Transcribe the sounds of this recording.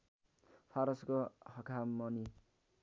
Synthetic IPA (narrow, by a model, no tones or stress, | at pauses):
pʰaɾʌskohʌkʰamːʌni